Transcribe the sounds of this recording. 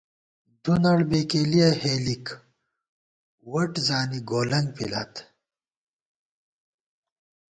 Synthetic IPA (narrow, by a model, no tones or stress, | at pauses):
d̪unɐɽbeːkeːlijɐheːlik | wɐʈzaːniɡoːlɐŋɡ̚pḭla̰t̪